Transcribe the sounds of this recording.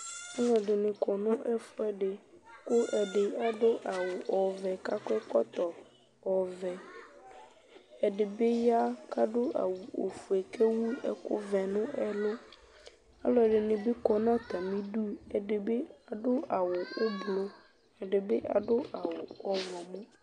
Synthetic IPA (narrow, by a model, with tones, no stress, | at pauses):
ɛ˦ŋɔ̃˨ɖɪ˨nɪ̃˨kɔ˨nʊ̃˦ʔɛ˦fʊ˦ɛ˦ɖɪ˨kʊ˦ʔɛ˨ɖɪ˨a˨ɖʊ˦ʔa˨wʊ˨ʔɔ˨vɛ˨ka˦kɔ˦ɛ˦kɔ˦t̪ɔ˨ | ɔ˨vɛ˨ | ɛ˨ɖɪ˨be˦ja˦ka˦ɖʊ˦ʔa̰˨wu˨o˨fu˨ɛ˨kɛ˦wu˦ɛ̰˦kʊ̰˦vɛ˨nʊ̃˦ɛ˨lʊ˦ | a̰˦lɔ˦ɛ˨ɖɪ˨nɪ̃˨be˦kɔ˨nã˦t̪a˨mĩ˦du˦ɛ˨ɖɪ˨be˦a˨ɖʊ˦a˨wʊ˨ʊ˦blo˦ | ɛ˨ɖɪ˨bɪ˦ʔa˨ɖʊ˦ʔa˨wʊ˨ɔ˦vɔ̃˨mũ˦